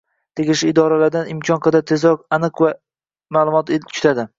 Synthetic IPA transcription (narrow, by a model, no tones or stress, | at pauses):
t̪ʰeɡʲɪʃɪːd̪ɒɾalaɾd̪anɪmkʲʰɒnqʰɨd̪at̪ʰezɒqanɨqva | maːlˠʊmɒt̪ekʲʰʊ̥t̪ʰad̪ɪ